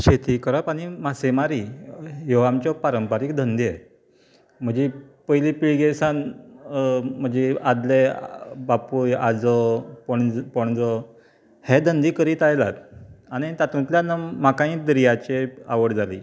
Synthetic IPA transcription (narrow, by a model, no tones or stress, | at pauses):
ɕet̪ikəɾəpaɽ̃imasemaɾiɦoamt͡ɕɔpaɾəmpaɾiːkd̪ʱənd̪ie | m̤ə̃d͡ʑepəjliːpiɭɡesan | m̤əɳd͡ʑead̪lebapuja̰d͡zɔpɔɳpɔɳ̃d͡zɔ | hed̪ʱənd̪iːkəɾiːt̪ajla̰t̪aɽ̃it̪at̪ũt̪ljanəmakãĩːd̪ɾijat͡ɕea̰ʋəɽd͡zʱalḭ